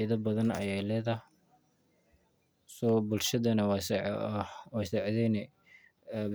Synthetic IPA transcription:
iðɐbɐðɐnɐ̰jɛjlɛːðɐ | sɔbʊlʃɐðɐnɐws | wɑjsɛʕðɛnɛ

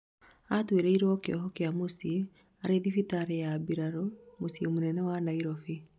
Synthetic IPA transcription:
atweɾeiɾɔkeɔɦɔkeamosie | aɾeðifitaɾejabiɾaɾomosiomonɛnɛwanaiɾɔfe

